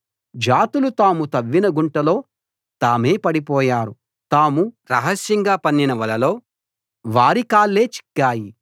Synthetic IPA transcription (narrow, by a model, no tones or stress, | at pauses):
d͡ʒaːt̪ulut̪aːmut̪ɐʋːinɐɡuɳʈɐlo̞ː | t̪aːme̞ːpɐɽipɔːjaːɾu | t̪aːmuɾɐɦɐsjɐŋɡaːpɐnːinɐʋɐlɐlo̞ː | ʋaːɾikaːlːeːt͡ʃi̥kːaːji